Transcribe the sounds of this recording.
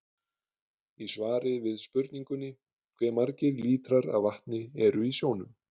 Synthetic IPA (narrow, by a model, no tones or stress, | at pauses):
isvaːɾɪvɪðspʏɾt̪niŋkʏnːɪ | kʰvɛːmaɾcɪɾliːt̪ɾaɾa̰vaht̪nɪɛɾʏisjoːwnʏm